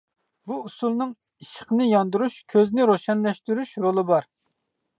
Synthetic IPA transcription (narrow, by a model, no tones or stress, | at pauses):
buusulˠnɨŋ | iʃə̥χnɪjɑnd̪uɾuʃkʲʰøznɪɾoʃɛnlɛʃt̪yɾyʃɾolˠɨbɑɾ